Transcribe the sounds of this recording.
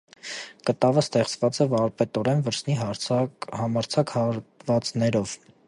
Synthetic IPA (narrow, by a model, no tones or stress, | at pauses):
kət̪ɑvəst̪ɛχt͡svɑt͡sɛvɑɾpɛt̪ɔɾɛnvəɾsniɦɑhɑmɑɾt͡sʰɑkhɑɾvɑt͡snɛɾɔv̥